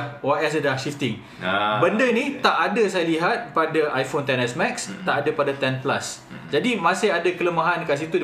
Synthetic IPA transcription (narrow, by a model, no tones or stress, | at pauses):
hwaɛs̬ədlahʃift̪ɪŋ | bəndənĩt̪aʔadəs̬ajaliɦat̪̚padaʔajfont̪ɛnɛsmɛkst̪aʔadəpadat̪ɛnpla̰s | d͡ʒadimãsɪɦadakələmaɦankans̬it̪ud